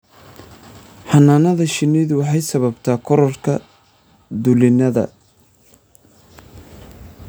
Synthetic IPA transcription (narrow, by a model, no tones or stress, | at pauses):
ħɑnaːnɐðɐʃɪniːðʊwɑħɑjsɐβɐbt̪ʰaːkʰɔɾɔrkʰɐ | d̪ʊlɪnɐðɐ̰